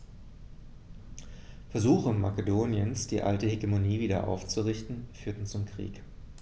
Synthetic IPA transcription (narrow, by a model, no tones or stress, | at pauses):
fɛɐzuːxəma̰kədoːnjənsd̥ḭːʔa̰ltəheɡemoniːviːdɐ̰ʔa̰ʊft͡suʁɪçtn̩fyːɐtn̩t͡sʊmkʁ̥ḭːk